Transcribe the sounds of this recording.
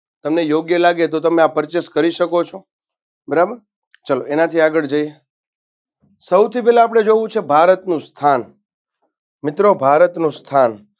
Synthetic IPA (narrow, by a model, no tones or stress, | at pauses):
t̪əmnejoɡjəlaɡet̪ot̪əmeapəɾt͡ʃeskəɾiʃəkot͡ʃʰo | bəɾabəɾ | t͡ʃəloenat̪ʰiaɡəɭd͡ʒəje | səwt̪ʰipɛlãap̬ɽ̃ed͡ʒoʋũt͡ʃʰebʱaɾət̪nũst̪ʰan | mɪt̪ɾobʱaɾət̪nũst̪ʰan